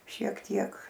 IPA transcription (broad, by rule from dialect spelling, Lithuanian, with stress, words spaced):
ʃʲiɛk ˈtʲiɛk